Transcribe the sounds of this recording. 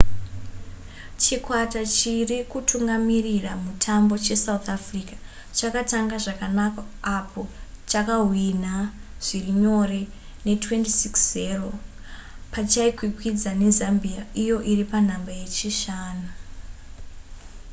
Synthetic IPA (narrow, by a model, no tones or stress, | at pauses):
t͡ʃikwatat͡ʃirikutuŋɡamiriramutʰambo̞t͡ʃe̞saut̪afrikḁ | t͡ʃakataŋɡaʐakanakaːpʰo̞t͡ʃakaɦwinaʐ̥iriɲo̞re̞ | ne̞twe̞ntisikszero̞ | pat͡ʃaikwikwid͡zane̞zambijaijo̞ʔiripan̤ambaje̞t͡ʃiʃaːnu